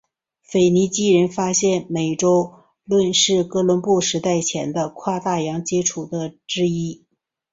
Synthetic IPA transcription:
fe˨˩ɪni˧˥t͡ɕi˥ɻə˧˥nfa˥ɕjɛ˥˩nme˨˩ɪʈ͡ʂo˥ʊ | lwə˥˧nʂɻ̩˥˩kɤ˥lwə˧˥npu˥˩ʂɻ̩˧˥t̪a˥˩ɪt͡ɕʰjɛ˧˥nd̪ə˧kʰwa˥˧t̪a˥˩jɑ˧˥ŋt͡ɕjɛ˥ʈ͡ʂʰu˨˩d̪ə˦ʈ͡ʂɻ̩˥i˥

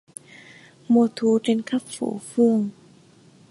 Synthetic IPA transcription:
mo˧t̪ʰu˨˧˦t͡ɕe˧nkʰa˦˥p̚fo̰˧˩˦fu˧ŋ

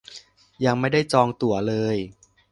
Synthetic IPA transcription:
ja˧ŋma˥˩jda˥˩jt͡ɕɔː˧ŋt̪u˨˩˦ɐlɤː˧j

